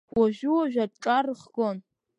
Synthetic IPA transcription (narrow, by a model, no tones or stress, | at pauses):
waʒᶣuwaʒᶣaʈ͡ʂʼarχɡon